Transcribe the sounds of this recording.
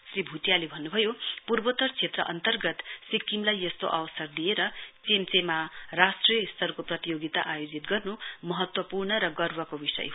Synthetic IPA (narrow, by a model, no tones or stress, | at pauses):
sribʱut̪jalebʱʌnːubʱʌjopurbot̪ʌrt͡sʰet̪rʌ̰ʔʌnt̪ʌrɡʌt̪sikːimlajːʌst̪o̰ʔawsʌrd̪ijeɾʌt͡semt͡semarasʈrijʌist̪ʌrkoprʌt̪ijoɡit̪a̰ʔajod͡zit̪ɡʌrnumʌɦʌt̪wʌpurnʌɾʌɡʌrwʌkobisʌ̰j